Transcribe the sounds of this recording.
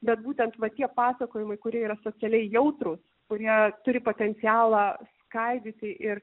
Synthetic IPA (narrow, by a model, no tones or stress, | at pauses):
bʲɛt̪buːt̪ʲɛnt̪ʋɐt̪ʲiɛpɑːsɐkoːjɪmɐɪkʊɾʲiɛiːɾɐsoːt͡s̪ʲɛlʲɛɪjɛʊt̪ɾʊs | kʊɾʲiɛt̪ʊɾʲɪpoːt̪ʲɛnʲt̪t͡s̪ʲɪjæːlˠɑːskɐɪd̪ʲɪt̪ʲɪʔɪr